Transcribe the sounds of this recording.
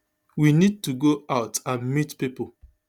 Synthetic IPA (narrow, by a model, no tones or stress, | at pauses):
winid̚tuɡoaʊtãnmitpipo